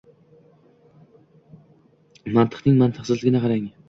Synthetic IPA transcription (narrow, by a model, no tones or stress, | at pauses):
mant̪ʰɨ̥χnɪŋmant̪ʰɨχsɪzlɪɡʲɪnɪqʰɑɾaŋ